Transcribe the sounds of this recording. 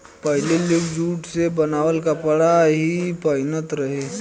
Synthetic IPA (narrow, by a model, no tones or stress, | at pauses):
pəɦɪlelɪkd͡ʒuːʈsebənaːwəlkapəɽaɦipəɪnət̪ɾəɦeː